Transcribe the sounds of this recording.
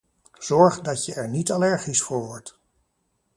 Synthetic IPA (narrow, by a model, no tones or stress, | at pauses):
z̥ɔɹχdɑtjəɛɹnitalɛɹχisfʊɹɦɔɹt